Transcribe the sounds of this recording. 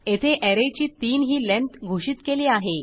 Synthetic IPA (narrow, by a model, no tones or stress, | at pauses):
et̪ʰeʔeɾet͡ɕiːt̪iːnɦiːlẽnt̪ɡʱoɕiːt̪keliːaɦe